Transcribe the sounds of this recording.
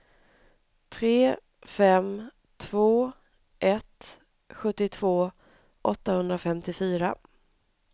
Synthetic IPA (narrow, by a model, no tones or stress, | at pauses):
t̪ʰɾeː | fɛm | t̪ʰvoː | ʔɛt̪ | ɧɵt̪ːɪt̪ʰv̥oː | ʔɔt̪ːahɵnd̪ɾafɛmt̪ɪfyːɾa